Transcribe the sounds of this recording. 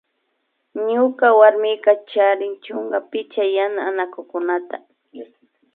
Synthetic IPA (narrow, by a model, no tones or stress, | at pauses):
ɲʊkawaɾmɪkat͡ʃaɾɪnt͡ʃʊŋɢapɪt͡ʃajanaːnakʊkʊnat̪a